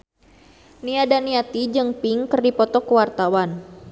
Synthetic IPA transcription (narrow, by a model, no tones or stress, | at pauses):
niadaniat̪id͡ʒɨŋpiŋkɨrdipɔt̪ɔkəwart̪awan